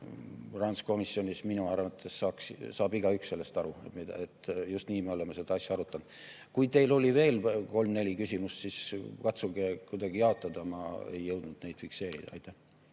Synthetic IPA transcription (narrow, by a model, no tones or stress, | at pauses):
rɑnsko̞misːjo̞nʲisminuɑrvɑt̪ʰːˑe̞sːɑːkssɑːbiɡ̥ɑyksse̞lːe̞st̪ɑɾumid̪̰et̪ːjust̪niːmeo̞lemese̞d̪̥ɑɑsʲjɑɑɾut̪ˑːɑnd̪̥ | kujt̪e̞jlo̞lʲive̞ːlko̞lmne̞lʲikysʲimust̪siskɑt̪suɡekujd̪̥ɑɡijɑo̞t̪ːˑɑd̪̥ɑmɑ̰ḛjːɤwd̪̥nud̪̥ne̞jd̥̪fikse̞ːɾḭd̪̥ɑ̰ɑ̰jt̪ːˑæh